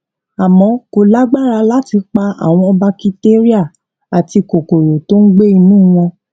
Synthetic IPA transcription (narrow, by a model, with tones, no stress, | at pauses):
a˨mɔ̃˨˦ko˨la˦ɡ͡ba˦˨ɾa˧la˦ti˧k͡pa˧a̰˨w̃ɔ̃˧ɔ˧ba˧ki˧te˦ɾi˦a˦˨ | a˨ti˧ko˨ko˨ɾo˨to˦n̩˦ɡ͡be˦i˧nũ˦˨˦w̃ɔ̃˧